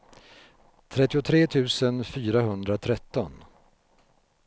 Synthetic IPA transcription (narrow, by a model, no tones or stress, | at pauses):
t̪ʰɾɛt̪ːɪʊt̪ʰɾeːt̪ʰʉ̟ːsənfyːɾaɦɵnd̪ɾat̪ʰɾɛt̪ːɔn